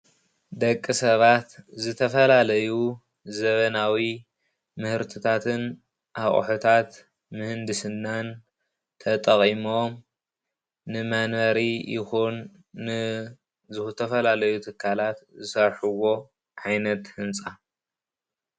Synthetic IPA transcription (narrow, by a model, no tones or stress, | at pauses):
d̪ɐkʼːɨsɐβat̪zɨt̪ʰɐfɐlalɐju | zɐβɐnawi | mɨhɨɾt̪ʰɨt̪ʰat̪ʰɨn | ʔaχʼħot̪ʰat̪ | mɨhɨnd̪ɨsɨnːan | t̪ʰɐt̪ʼɐχʼimom | nɨmanɐɾijʔɪ̰xunː | ɨ | zɨt̪ʰɐfɐlalɐjut̪ʰɨkʰːalat̪zɨsɐɾħuwo̞ | ʕajnɐt̪hɨnt͡sʼa